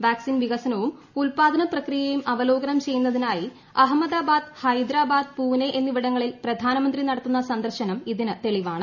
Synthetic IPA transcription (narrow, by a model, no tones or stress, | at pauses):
ʋaːksinʋiɣɐsɐnɐʋum | ulpaːd̪ʱɐnɐprɐkrijejumʔɐʋɐlo̞ːɡɐnɐmt͡ɕe̞jːunːɐðinaːji | ɐɦɐmːɐd̪aːbaːd̪hɐjd̪ɾaːbaːd̪̚puːneʔenːiʋiɽɐŋːɐɭilprɐd̪ʱaːnɐmɐnd̪rinɐɽɐt̪ːunːɐsɐnd̪ɐrɕɐnɐmiðinɨt̪e̞ɭiʋaːɳɨ